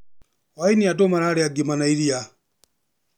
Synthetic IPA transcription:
wainiatɔmaɾaɾɛaɡimanaiɾia

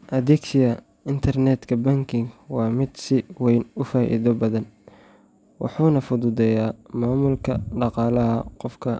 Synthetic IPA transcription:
ʔɐðɛksɪjɐ | ɪnt̪ʰɐrnɛd̪kʰɐbɐŋkʰɪŋwɑːmɪd̪sɪwɛjnʊfaːʔḭðɔbɐðɐn | wɑ̰ħuːnɐfʊðʊðɛjaːmaːmʊlkʰɐɖɑqɑːlɐɦɐqɔfkʰɐ

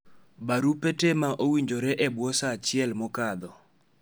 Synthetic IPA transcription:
baɾupetemaʔowiɲd͡ʒoɾɛʔɛbwɔsat͡ʃɪɛlmɔkad̪ɔ

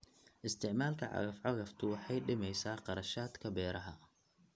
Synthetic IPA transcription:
ʔɪst̪ʰɪʕmaːlkʰɐʕɑ̰ɣɐfʕɑɣɐft̪ʰʊwɑħɑjɖɪmɛjsaːqɑɾɐʃaːd̪kʰɐbɛːɾɐɦɐ

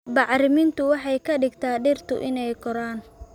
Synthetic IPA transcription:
bɑʕɾɪmɪnt̪ʰʊwɑħɑjkʰɐɖɪɡt̪ʰaːɖɪrt̪ʰʊ̰ʔɪnɛjkʰɔɾaːn

